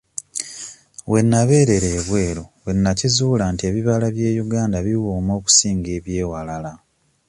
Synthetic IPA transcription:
we̞nːaβe̞ːɾe̞ɾe̞ːβwe̞ːlo̞βwe̞nːacizuːlaːntie̞ːβiβalaβje̞ːjuɡaːndaβiwuːmo̞ːku̥siːŋɡe̞ːβje̞ːwalala

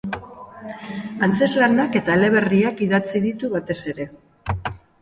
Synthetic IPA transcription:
ant͡se̞zlanake̞t̪aele̞βe̞riakiðat͡siðit̪uβat̪e̞se̞ɾe̞

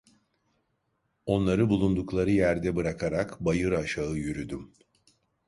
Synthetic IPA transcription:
o̞nlˠaɾɯbulˠund̪uklˠaɾɯjæɾd̪ɛbɯɾakʰaɾakbajɯɾaʃaɯjyɾyd̪ym

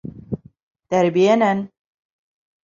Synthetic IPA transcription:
t̪æɾbijɛnæn

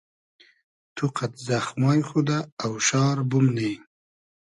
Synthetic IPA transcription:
t̪ʰuqat̪zaxmɑːjxud̪aːwʃɑːɾbʊmnej

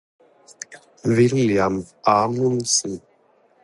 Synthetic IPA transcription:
villjamaŋunsi

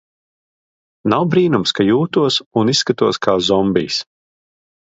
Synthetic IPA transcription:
nawbɾiːnumskajuːt̪uɔsunisːkat̪uɔskʰaːzɔmbʲḭːs

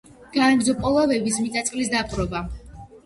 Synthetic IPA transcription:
ɡ̥aaɡzɔpʼɔlˠavɛbis̬mit̪ʼat̪sʼqʼlisd̪apʼɾɔba

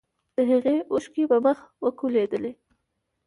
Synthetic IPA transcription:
d̪̥əɦaɣeʊʃkibəməxwəkuled̪əle

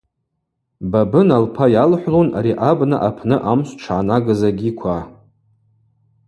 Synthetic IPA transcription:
babɨnalpʰajalħʷlonaɾiʔabna̰ʔapʰnɨʔamɕʷʈ͡ʂʰanaɡɨzaɡʲikʷʰa

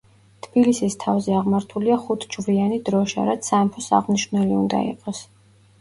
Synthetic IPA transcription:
t̪ʰbilisist̪ʰavzɛaʁmaɾt̪ʰuliaχut̪ʰd͡ʒvlianid̪ɾɔʃa̰ɾat̪sʰampʰɔsa̰ʁniʃnɛliund̪a̰ḭqʼɔs

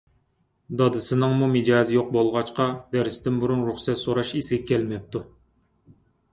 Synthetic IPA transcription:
d̪ɑd̪ɨsɨnɨŋmumɨd͡ʒɑːzɪjoq̚bolˠʁɑt͡ʃqʰɑd̪ɛɾst̪ʰɪnbuɾunɾuχsɛt̪soɾɑʃisɪɡʲɛkʲʰɛlmɛp̚t̪ʰu

